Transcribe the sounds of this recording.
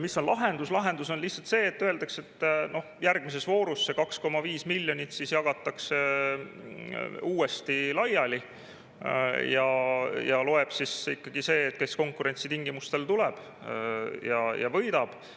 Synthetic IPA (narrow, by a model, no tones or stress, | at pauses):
misːo̞nlɑɦe̞nd̪uslɑɦe̞nd̪uso̞nliht̪sɑlt̪se̞ːt̪ːøe̞ld̪ɑkse̞t̪ːno̞hjærɡ̥mis̬e̞svo̞ːɾusːekɑksko̞mɑviːsmilʲːjo̞nʲit̪sisjɑɡ̥ɑt̪ːˑɑkse | uːe̞st̪ilɑjɑli | jɑjɑlo̞e̞b̥sisikːɑɡ̥ise̞ːt̪̚ːke̞sko̞ŋkˑuɾe̞nʲsit̪iŋɡ̥imust̪e̞lt̪ulɛb̥ | jɑjɑ̰vɤjd̪ɑb̥